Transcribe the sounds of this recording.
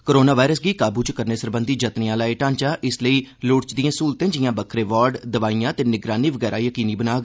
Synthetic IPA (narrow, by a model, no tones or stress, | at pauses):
koɾoːnaːʋaːɪɾəsɡiːkaːbuːt͡ʃkəɾneːsəɾbənd̪ʱiːd͡ʒət̪neãːlaːeːʈãːɲt͡ʃaːʔɪsləiːloːɽt͡ʃd̪ĩjãːsuːlt̪ẽːd͡ʒɪjãːbəkʰɾeːʋɔːɾɖd̪əʋaːijãːt̪eːnɪɡɾaːniːʋəɡɛːɾaːjəkiːniːbənaːɡ